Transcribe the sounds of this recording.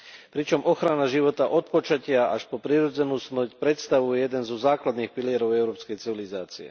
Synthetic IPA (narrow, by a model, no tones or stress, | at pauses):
pɾit͡ʃɔmɔxɾanaʒiʋɔt̪aʔɔt̪̚pɔt͡ʃacɪaaʃpɔpɾiɾɔd͡zɛnuːsmɔcpɾɛt̪st̪aʋujɛjɛd̪ɛnzɔzaːklad̪niːxpiliɛɾɔʊɛʊɾɔːpskɛjt͡siʋilizaːt͡siɛ̰